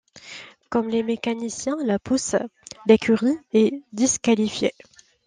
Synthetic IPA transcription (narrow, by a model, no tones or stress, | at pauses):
kɔmlemekanisjɛ̃lapusd̪ekʲʰyʁiɛd̪iskalifjḛ